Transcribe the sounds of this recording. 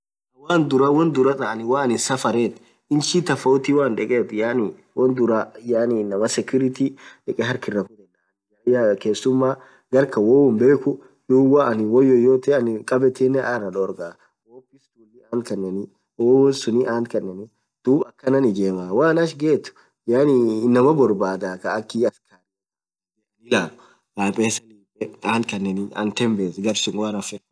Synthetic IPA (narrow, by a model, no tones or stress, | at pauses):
ɐwaːnd̪ʊɾɐwɔnd̪ʊɾɐt̪ʼɐɐnɪwaːnɪsɐfɐɾeːt̪ | ɪnʃit̪ɐfoːt̪iwaːnᶑɛkʼeːt̪jani | wɔnd̪ʊɾajaːniːnɐmɐsɛkʊɾɪt̪iᶑɛkʼɛɦɐɾkɪrɐkʊd̪ɛnɐnjajakeːsːʊmːaː | ɡɐɾkɐwoːwɔmbeːkʊ | d̪uːwaɐnɪwɔjːɔjoːt̪ɛɐnɪkʼɐbɛt̪enːɛʔarɐᶑɔːɾɡaː | woːpːɪst̪uːlːiaːnkɐnːɛnɪ | wowɔnsʊniʔaːnkɐnːɛnɪ | d̪̥uːbɐkːɐnɐnɪd͡ʒeːmaːwaːnɐʃɡe̞ːt̪ːʊ̥ | jaːnɪnɐmɐbɔɾbaːd̪aːkɐːkːiɐskʰaɾ | ɪlaːnʊ | ʔaːpʼeːsɐniːɛaːnkɐnːɛnɪɐ̰nt̪ɛmbeːsɡɐbsɪŋwaɾɐfɛ